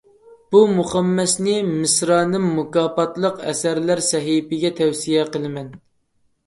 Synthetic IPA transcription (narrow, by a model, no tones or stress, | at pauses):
b̥umuχæmːɛsnɪmɪsɾɑːnɨmːukɑːpɑt̪lˠəqɛ̰sæɾlæɾsɛɦipɪɡʲɛt̪ʰɛwsijɛqəlˠɨmɛn